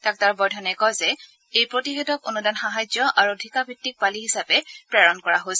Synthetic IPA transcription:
tak̚taɹbɔjdʱɔnɛkɔjzɛ | ejpɹotiɦɛtɔkonudanxaɦajzɔʔaɹudʱikabʱitːik̚paliɦisapɛpɹɛɹɔnkɔɹaɦosɛ

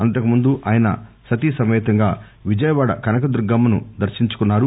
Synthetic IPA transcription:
ɐnʈ̪ɐkumund̪uʔaːjɐnɐ̰ | sɐt̪isɐmɛːt̪ɐŋɡaː | ʋid͡ʒɐjɐʋaːɽɐ̰kɐnɐkɐd̪uɾɡɐmːɐnṵd̪ɐɾʃiɲt͡ʃu̥kunːaːɾu

